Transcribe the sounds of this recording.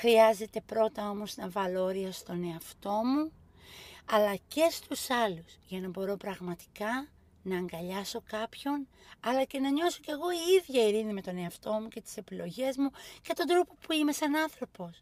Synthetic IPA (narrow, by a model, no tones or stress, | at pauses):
xɾiɐze̞t̪e̞pɾo̞t̪ɐo̞mo̞snɐvɐlo̞ɾiɐst̪o̞ne̞ɐft̪o̞mu | ɐlɐce̞st̪usɐlusʝɐnɐbo̞ɾo̞pɾɐɣmɐt̪i̥kɐ | nɐːŋɡɐʎɐso̞kɐpço̞nɐlɐce̞nɐɲo̞so̞ce̞ɣo̞iiðʝɐiɾinime̞t̪o̞ne̞ɐft̪o̞mucet̪i̥se̞pilo̞ʝe̞zmuce̞t̪o̞nd̪ɾo̞po̞puime̞sɐnɐnθɾo̞po̞s